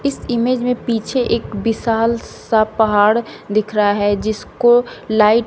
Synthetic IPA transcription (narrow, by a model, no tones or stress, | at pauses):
ɪsɪmeːd͡ʒmẽpiːt͡ʃʰeʔeːkbɪsaːlsapəɦaːɽd̪ɪkʰɾəɦaɦɛd͡ʒɪskolaːɪʈ